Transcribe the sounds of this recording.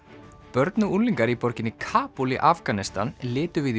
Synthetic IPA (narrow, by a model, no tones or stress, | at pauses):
pœɾt̪nʏulːiŋkaɾipɔɾcɪnːɪkʰaːpulḭʔafkanɪst̪a̰nlɪːt̪ʏvɪð